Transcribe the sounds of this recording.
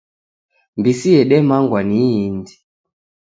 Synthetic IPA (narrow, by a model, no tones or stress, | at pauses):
mbisiɛɗɛmaŋɡwaniːndi